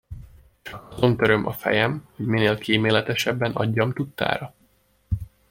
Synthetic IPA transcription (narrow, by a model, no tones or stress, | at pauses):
ɒzo̞nt̪øɾømʔɒ̰fɛ̰jɛmho̞ɟmineːlkiːmeːlɛt̪ɛʃɛbːɛnɒ̰ɟːɒmt̪ut̪ːa̰ːɾɒ